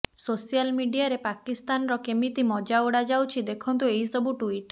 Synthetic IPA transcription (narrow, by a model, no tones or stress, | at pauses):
sosijalmiɖiaɾepakist̪anɔɾɔkemit̪imɔd͡ʒaoɽad͡ʒawt͡ʃʰid̪ekʰɔnt̪ueisɔbuʈuiʈ